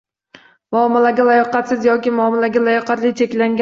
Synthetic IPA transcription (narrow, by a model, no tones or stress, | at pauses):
mɒmːalaɡʲalajɒqɑt̪sɪzjɒkʲɪmʊɒmːɑlaɡʲalajɒqʰɑt̪lɪt͡ʃʰe̞kʲlaŋɡʲa